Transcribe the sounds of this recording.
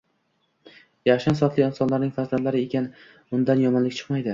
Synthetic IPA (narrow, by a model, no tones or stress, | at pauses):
jaχʃansɒt̪lɪɪnsɒnlaɾnɪŋʲfazlad̪laɾɪe̞kʲan | ʊnd̪anjɒmɒnlɪkʲt͡ʃʰɨ̥qmajd̪ɪ